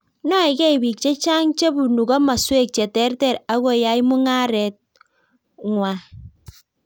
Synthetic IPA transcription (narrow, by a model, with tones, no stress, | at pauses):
nɔ˦i˨ɡɛ˦i˨bi˨k̚t͡ʃe˦t͡ʃa˦ŋt͡ʃe˦bu˨nu˨ɡɔ˦ma˨swe˦k̚t͡ʃɛ˨tɛ˦ɾtɛ˦˨ɾa˦ɣo˨ja˨˦jmʊ˦ŋa˦ɾɛ˨t̚ | ŋwa˨